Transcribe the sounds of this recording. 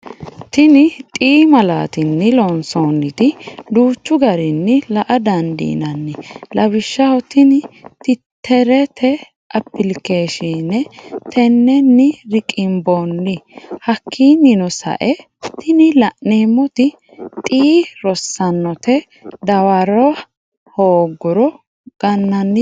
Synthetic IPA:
t̪ɪnɪt̪ʼiːmɐla̰ːt̪ɪnːɪlɔnsoːnːɪt̪ɪd̪uːt͡ʃːʊɡɐɾɪnːɪlɐʔɐd̪ɐnd̪ḭːnɐnːɪlɐβɪʃːɐwɔt̪ɪnɪt̪ɪt̪ʰːɛɾɛt̪ʰɛ | ʔɐpːɪlkeːʃiːnːɛt̪ʰɛnːɛnːɪɾɪkʼɪmbonːɪhɐkʰːiːnɪnɔsɐ̰ʔɛ | t̪ɪnɪlɐʔneːmːɔt̪ɪ | t̪ʼiːɾɔsːɐnːɔt̪ɛ | d̪ɐwɐɾɔ | hoːɡʊɾɔ | ɡ̥ɐnːɐnːɪ

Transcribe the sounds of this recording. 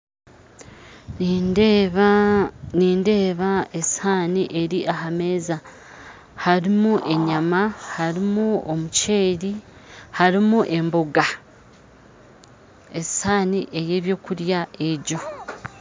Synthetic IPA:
ni | niːnde̞ːβae̞shaːniʔe̞ɾiʔaɦame̞ːza | haɾimuʔe̞ɲamahaɾimuomuce̞ːɾi | haɾimuʔe̞mboɡa | esaːniʔe̞je̞ːβjo̞ːkuɾjae̞ɟo̞

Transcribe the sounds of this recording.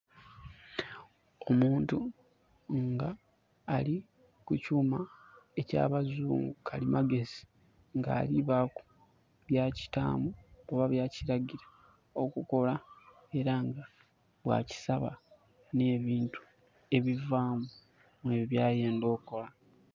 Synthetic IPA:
o̞muːntu | ŋɡaː | li | kucuːmae̞ca̰ːβazuːŋɡukʰalimaɡe̞zi̥ | ŋɡa̰ːliβaku̥ | βjaːci̥ta̰ːmuoβaβjaːciɾaɟiɾḁ | o̞kuko̞la | e̞ɾaŋɡa | βwa̰ːci̥saβa̰ | ne̞ːβiːntu̥ | e̞βivaːmu | mwe̞βjaːje̞ːndo̞ːko̞la

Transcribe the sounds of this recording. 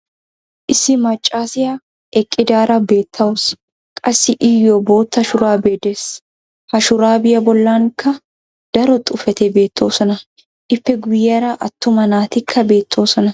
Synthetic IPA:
ʔɪsɪmɐt͡ʃʼːaːsɪjɐ | ɛkʼːɪd̪aːɾɐbe̞ːt̪ʰːɐʊs | kʼɐsːɪʔɪjɔbo̞ːt̪ːɐʃʊɾaːbe̞ːd̪eːs | hɐʃʊɾaːbɪjɐbɔlːaːŋkɐ | d̪̥ɐɾɔt̪ʼʊfɛt̪ebe̞ːt̪ʰːo̞ːsɔnɐ | ʔɪpːɛɡʊjːɛɾaʔɐt̪ːʊmɐnaːt̪ɪkʰːɐbe̞ːt̪ʰːo̞ːsɔnɐ

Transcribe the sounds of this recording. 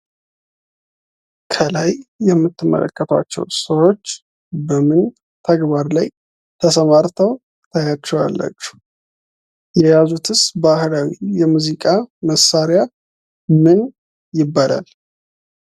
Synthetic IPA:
kʰəlajːɛmːɨt̪ʰːɨmːə̰lʔə̰kʼːət̪ʰwa̰t͡ʃːɛ̰wsəwo̞t͡ʃː | bəmɨn | t̪ʰəɡβaɾlaj | t̪ʰəsəmaɾt̪ʰəw | t̪ʰajat͡ʃːɛwa̰lːə̰t͡ʃːu̥ | jɛjazut̪ʰɨsbahlawijɛmuzikʼaməsaɾɪja | mɨn | jɪbːalʔa̰l

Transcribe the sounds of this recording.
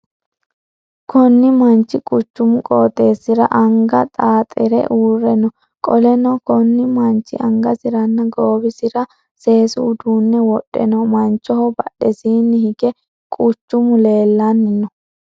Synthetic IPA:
kʰɔnːɪmɐnt͡ʃːɪkʼʊt͡ʃːʊmʊkʼoːt̪ʼeːsɪɾɐ̰ʔɐŋɡɐt̪ʼaːt̪ʼɪɾɛ̰ʔuːrɛnɔ | kʼɔlɛnɔkɔnːɪmɐnt͡ʃːɪʔɐŋɡɐsɪɾɐnːɐɡoːbɪsɪɾɐ | se̞ːsuːd̪uːnːɛwɔɗːɛ̰nɔmɐnt͡ʃːɔhɔbɐɗɛsiːnːɪhɪɡɛ | kʼʊt͡ʃːʊmʊle̞ːlːɐnːɪnːɔ

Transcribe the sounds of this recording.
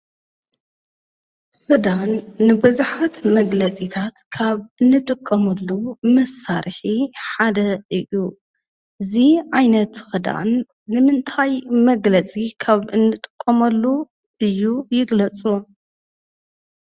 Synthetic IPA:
xɨd̪anːɨbɨzuħat̪mɐɡlɐt͡sʼit̪ʰat̪kʰaβʔɨnːɨt̪ʼɨkʼːɐmɐlːumɐsːaɾħiħad̪ɐʔɨjːu | ɨziʕajnɐt̪xɨd̪a̰nː | ɨmɨnt̪ʰajmɐɡlɐt͡sʼikʰaβɨnːɨt̪ʼɨ̥kʼːɐmɐlːu | ʔɨjːujɪɡlɐt͡sʼu

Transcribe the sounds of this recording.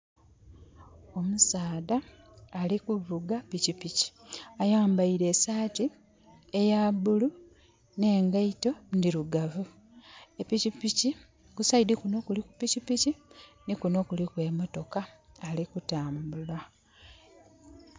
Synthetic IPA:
o̞musaːðaː | likuvuɡapicipici̥ajaːmbaiɾe̞ːsaːti | ejaβulu | ne̞ːŋɡaito̞ndiɾuɡavu | epicipici | kusaidikuno̞kuliku̥picipici | nikuno̞kulikwe̞ːmo̞to̞kaː | likutaːmbulwa

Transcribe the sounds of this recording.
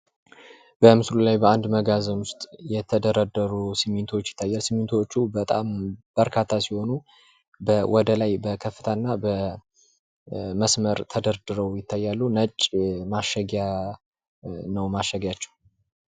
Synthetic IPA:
b̥əmɨslulajbəand̪məɡazəmwʊst̪ʼjɛt̪ʰəd̪əɾəd̪əɾusimint̪ʰo̞t͡ʃːjɪ̥t̪ʰːajːalsɨmɨnt̪ʰo̞t͡ʃːubət̪ʼamb̥əɾkʰat̪ʰːasiho̞nu | bəwɔd̪əlajbəkʰəfːɨ̥t̪ʰənːabə | məsməɾt̪ʰəd̪əɾd̪ɨɾəwjɪt̪ʰːajːalːunət͡ʃʼːmaʃəɡja | nəwmaʃəɡjat͡ʃːɛw

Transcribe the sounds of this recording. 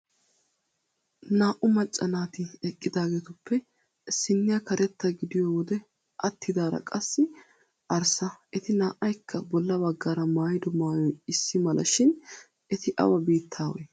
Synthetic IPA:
naːʔʊmɐt͡ʃʼːɐnaːt̪ɪɛkʼːɪd̪aːɡeːt̪ʊpːɛ | ɪsːɪnːɪjɐkɐɾɛt̪ːɐɡɪd̪ɪjoːwɔd̪ɛ | ʔɐt̪ʰːɪd̪aːɾɐ̰kʼɐsːɪ | ʔɐɾsɐʔɛt̪ɪnaːʔɐjkʰːɐbɔlːɐbɐɡːaːɾɐmaːjɪd̪ɔmaːjɔjɪsːɪmɐlʔɐ̰ʃɪn | ɛt̪ɪʔɐ̰wɐbiːt̪ʰːaːwɛ̰

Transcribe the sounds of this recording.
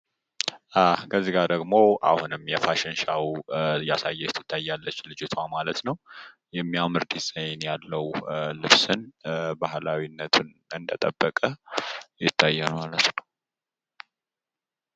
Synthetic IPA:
ʔakʰəzːiɡaɾd̪əɡmoʔa̰hunɨmjɛfaʃɪnʃawjasajːɛjɛt̪ʰːɨ̥t̪ʰːajːalːət͡ʃːlɨd͡ʒɪt̪ʰamalət̪nəw | jɛmːijamɨɾd̪isʼəjnjalːəwlɨβsɨnbahlawinːət̪ʰun | ɨnd̪ət̪ʼəbːəkʼəjɪt̪ʰːajːɛnmalət̪nəw

